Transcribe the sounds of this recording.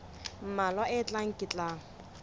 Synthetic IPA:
m̩malwaʔɪt͡ɬʼaŋ̩kʼɪt͡ɬʼa

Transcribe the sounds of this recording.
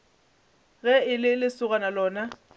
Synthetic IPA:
ɣɛɪlɪlɪsʊɣanalɔːna

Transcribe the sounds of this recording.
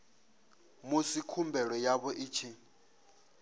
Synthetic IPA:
musikʰumbʱɛɺɔjaβɔʔiːt͡ʃʰi

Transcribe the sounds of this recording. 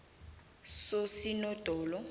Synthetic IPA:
sosinɔd̥ʱɔːlɔ

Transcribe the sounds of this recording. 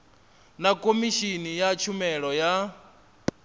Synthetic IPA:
nakʼomiʃinijat͡ʃʰumɛɺɔja

